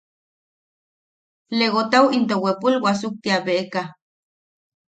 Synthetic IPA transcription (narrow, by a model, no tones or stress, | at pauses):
leɣot̪awint̪owepulwasuk̚t̪iaβeʔeka